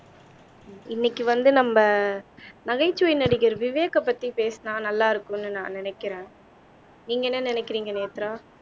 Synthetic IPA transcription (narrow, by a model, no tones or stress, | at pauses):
ɪnːɪkːɯʋɐnd̪ɯnɐmbɐ | nɐɣɐɪt͡ʃːujɪnɐɽɪkːɪɾʋɪʋeːkɐpːɐt̪ːipeːsnaːnɐlːaːɪɾɯkːʊ̃nːɯnãːnɪnɛkːɪɾẽː | niːŋɡɐɛnːɐnɪnɛkːɪɾiːŋɡɐneːt̪ːɾaː